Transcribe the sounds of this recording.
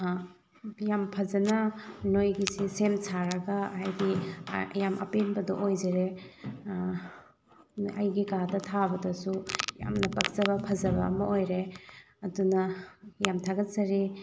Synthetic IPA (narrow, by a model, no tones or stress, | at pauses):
jampʰɐzɐnɐnojɡisisemsaɾɐɡɐːɦajdḭjamʔɐ̰penbɐdɔ̰ʔojzeɾe | ɐ̰jɡikadɐtʰabɐdɐsuja̰mnɐpɐk̚zɐbɐpʰɐzɐbɐɐmɐojɾe | ɐdunɐjamtʰaɡɐt̚zɐɾi